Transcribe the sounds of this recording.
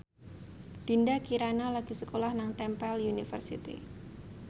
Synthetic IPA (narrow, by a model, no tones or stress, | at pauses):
d̪̥indakiɾanalaɡ̥isəkolahnaŋt̪ɛmpɛljunifə̰rsḭt̪ḭ